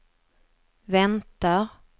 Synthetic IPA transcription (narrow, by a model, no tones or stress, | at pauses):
vɛnt̪aɾ